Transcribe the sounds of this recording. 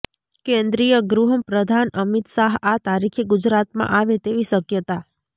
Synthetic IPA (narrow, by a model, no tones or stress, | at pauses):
kẽnd̪ɾijəɡɾuɦəmpɾəd̪ʱanəmit̪ʃaɦat̪aɾikʰeɡud͡ʒɾat̪mã̰ʔaʋet̪eʋiʃəkjət̪a